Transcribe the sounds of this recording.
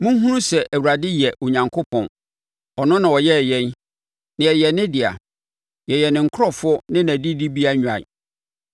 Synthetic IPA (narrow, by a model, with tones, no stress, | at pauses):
mũ˦ɦũ˦ɾũ˦sɛ˨ʔæ˨wu˨ɾa˨dɪ˦jɛ˨ʔo˨ɲã˨ŋkʰʊ˦pʰɔ̃˨n | ɔ˨nʊ̃˦nã˨wɔ˨jɛ˦˨jɛ̃˦n | nɪ̃˨ɛ˨jɛ˨nɪ̃˦dɪ˨a̰˨ | jɛ˨jɛ˨nɪ̃˨ŋ̩˨kʰʊ˦ɾɔ˦fʊ˦nɪ̃˦næ̃˨di˦di˦bi˦a˦ɲᶣ˨a̰˨